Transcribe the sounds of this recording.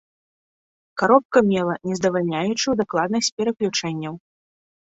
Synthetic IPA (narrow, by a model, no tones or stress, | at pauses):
kaɾɔp̚kɐmʲɛlˠɐnʲɛzd̪ɐvalʲnʲajut͡ʂɨwd̪aklˠad̪nɐsʲt͡sʲpʲɛɾɐklʲut͡ʂɛnʲːɐw